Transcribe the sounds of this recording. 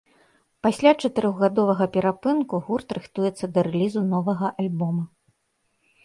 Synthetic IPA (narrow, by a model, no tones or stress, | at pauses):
pasʲlʲat͡ʂɐt̪ɨɾɔɣɣad̪ɔvɐɣɐpʲɛɾapɨnkuɣurt̪ɾɨxt̪ujɛt̪sːɐd̪ɐɾɛlʲizunɔvɐɣɐʔalʲbɔmɐ